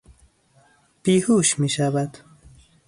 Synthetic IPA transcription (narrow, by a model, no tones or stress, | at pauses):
pihuːʃmiʃavad̪